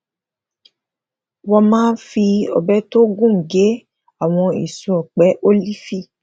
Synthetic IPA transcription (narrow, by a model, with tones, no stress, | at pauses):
wɔ˧mãː˦n̩˦fi˧ɔ̰˨bɛ˦to˦ɡũ˦˨ŋ̩˨ɡe˨˦ | a˦˨w̃ɔ̃˧ḭ˨su˨˦ɔ˨k͡pɛ˨˦ʔo˦li˦fi˦˨